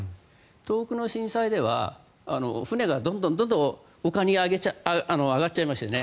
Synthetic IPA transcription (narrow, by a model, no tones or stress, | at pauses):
t̪o̞ːkɯ̟no̞ɕĩɰ̃said̪e̞βa̰ | ano̞̰ɸɯ̟ne̞ɡad̪õnd̪õnd̪õ̞nd̪õ̞ | okaɲ̟ʲiaɡet͡ɕaanoaɡatːt͡ɕaimaɕi̥t̪ene̞